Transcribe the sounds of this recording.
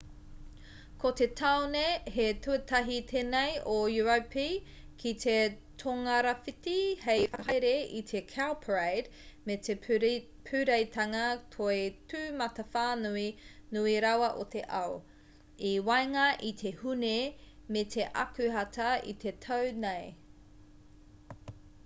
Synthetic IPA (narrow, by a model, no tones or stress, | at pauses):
kʰot̪etʰawnehet̪uət̪ɐɦit̪ʰenejojuɐwpʰi | kʰit̪ʰe | tʰoŋɐɾɐfit̪ihejfɐɦɐjɾeit̪ʰekʰalpʰɹejd | mete | pʰʉɾejtʰɐŋɐkʰoetʉːmɐtɐfaːnuinuiɾɐwɐʔo̰t̪eʔɐ̰o | iwajŋɐʔit̪ʰehunemet̪ʰe̞ʔɐ̰kʉɦɐtɐḭt̪ʰe̞t̪ʰownej